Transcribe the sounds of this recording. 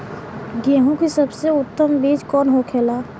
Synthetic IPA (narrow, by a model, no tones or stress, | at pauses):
ɡeːɦũkisəbseʊt̪ːəmbeːd͡ʒkɔːnɦokʰeːlaː